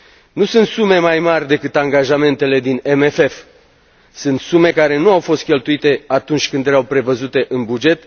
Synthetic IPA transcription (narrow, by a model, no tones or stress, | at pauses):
nusɨnt̪sume̞majmarʲd̪e̞kɨt̪aŋɡaʒame̞nt̪e̞le̞d̪inemefe̞f | sɨnt̪sume̞kaɾe̞nuawfo̞st̪̚kʲe̞lt̪uit̪e̞at̪unt͡ʃʲkɨnd̪jeɾawpɾe̞vəzut̪e̞ʔɨnbud͡ʒe̞t̪